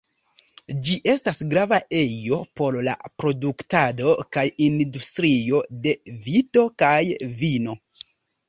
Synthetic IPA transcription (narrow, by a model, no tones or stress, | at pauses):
d͡ʒiʔe̞stasɡɾavaʔe̞jo̞po̞ɾla̰pɾo̞duktado̞kajindustɾio̞de̞vito̞kajvino̞